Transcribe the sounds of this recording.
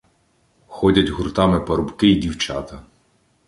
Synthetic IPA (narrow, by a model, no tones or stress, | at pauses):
xɔdʲɐtʲɦurt̪ɑmɪpɐɾʊbkɪidʲiwt͡ʃɑ̰t̪ɐ